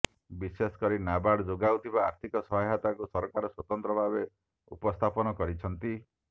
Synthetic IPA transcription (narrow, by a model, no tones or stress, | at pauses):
bisesɔ̥kɔɾinabaɽd͡ʒoɡawt̪ʰibaːɾt̪ʰikɔsɔɦɔɦat̪akusɔɾkaɾɔswɔt̪ɔnt̪ɾɔbʱabe | ṵpɔst̪ʰapɔnɔkɔɾit͡ʃʰɔnt̪i